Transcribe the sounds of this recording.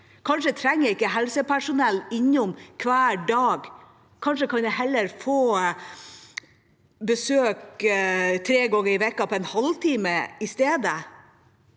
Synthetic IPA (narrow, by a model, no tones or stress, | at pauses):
kʰɑnʂət̪ʰɾɛŋːæɪkːəɦɛlsəpæʂʊnɛlːɪɲːʊmkʰʋæːɖɑːɡ | kʰɑnʂəkʰɑnjɛhɛlːəɾfoː | bəsøːk | t̪ʰɾeːɡɑŋːəɾɪʋɛkːɑpʰɔɛnhɑlt̪ʰiːməɪst̪eːd̪ə